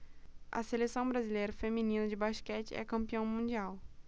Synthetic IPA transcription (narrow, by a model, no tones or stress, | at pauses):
ʔɐ̰selesɐ̃w̃bɾazilejɾɐfemĩnĩnɐd͡ʒɪbaʃkɛt͡ʃɪ̰ɛ̰kɐ̃mpiɐ̃w̃mũd͡ʒiaw